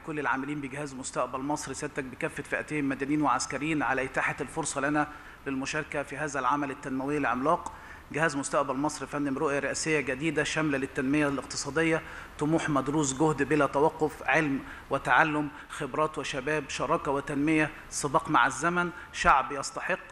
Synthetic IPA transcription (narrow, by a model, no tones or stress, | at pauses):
kolːelʕa̰ːmɪliːnbɪɡɪhæːzmʊst̪æʔbælmɑsˤɾisæːd̪t̪æk̚bekæfːet̪fiʔæt̪eːhɪmːæd̪æniːnweʕaskæɾejiːnʕalæʔɪt̪aːħalfoɾsˤɑlænæ | lɪlmʊʃɑːɾˤkæfiɦæːzælʕamælɪt̪ːænmæwɪjːælʕemlɑːq | ɡɪhæːzmʊst̪æʔbælmɑsˤɾifænːɪmɾoʔjæɾeʔæsejːæɡæd̪iːd̪æʃæmlælɪt̪ːænmɪjælɪqt̪ɨ̥sˤɑːd̪ejːæt̪ʊmuːħmæd̪ɾuːs̬ɡohd̪bɪlæt̪æwɑqːofʕelm | wɪt̪aʕalːʊm | xebɾˤɑːt̪wɪʃæbæːbʃɑɾˤɑːkæwɪt̪ænmɪjæ | sˤɨbɑːqmaʕazːæmænʃaʕbjɑsˤt̪ɑħeqː